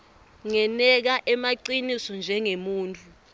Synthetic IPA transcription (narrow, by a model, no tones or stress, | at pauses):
ŋɛnɛk̬aʔɛmaǀinisɔnd͡ʒʱɛŋemuːntʼʰu